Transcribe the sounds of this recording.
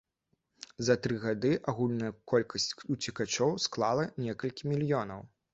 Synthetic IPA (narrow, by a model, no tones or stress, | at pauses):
zɐt̪ɾɨɣad̪ɨʔaɣulʲnɐjɐkɔlʲkʰɐsʲt͡sʲut͡sʲikat͡ʃɔwsklˠalˠɐnʲɛkɐlʲkʲimʲilʲjɔnɐw